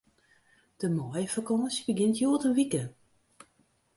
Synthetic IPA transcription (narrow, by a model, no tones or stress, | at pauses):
d̥əmɔjəfakɔnsbəɡɪntjoːtənʋikə